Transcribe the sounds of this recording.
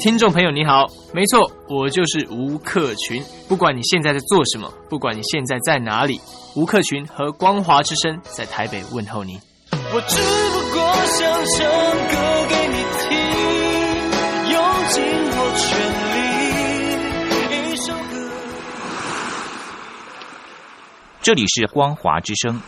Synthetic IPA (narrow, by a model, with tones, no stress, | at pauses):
t̪ʰi˥ŋnʈ͡ʂo˥˨ŋpʰɤ˧˥ŋjo˨˩ʊni˧˥xɑ˨˦ʊ | me˧˥ɪt͡sʰwɔ˥˩ | wɔ˨˩t͡ɕjo˥˧ʊʂɻ̩˥˩u˧˥kʰɤ˥˩t͡ɕʰy˧˦n | pu˥˩kwa˨˥nni˨˩ɕjɛ˥˧nt͡sa˥˧ɪt͡sa˥˧ɪt͡swɔ˥˩ʂə˧˦mə̰˧pu˥˩kwa˨˩ni˨˩ɕjɛ˥˧nt͡sa˥˧ɪt͡sa˥˩ɪna̰˧˥lḭ˨˩˦ | u˧˥kʰɤ˥˩t͡ɕʰy˧˥nxɤ˧˥kwɑ˥ŋxwa˧˥ʈ͡ʂɻ̩˥ʂə˥ŋt͡sa˥˩ɪt̪ʰa˧˥ɪpe˨˩ɪwə˥˨nxo˥˩ʊni˨˩˦ | wɔ˨˩ʈ͡ʂɻ̩˥˩bu˧kwɔ˧ɕjɑ˧˥ŋɕɑ˧˥ŋkə˧˦ke˧˥ɪni˨˩t̪ʰi˦ŋ | jo˨˦ŋt͡ɕi˧ŋkɔ˧˩t͡ɕʰɥɛ˧˦nli˧˩˧ | i˦ʂo˥ŋ˧ | ʈ͡ʂɤ˥˨˩lḭ˨˩ʂɻ̩˥˩kwɑ˥ŋxwa̰˧˥ʈ͡ʂɻ̩˥ʂɤ˥ŋ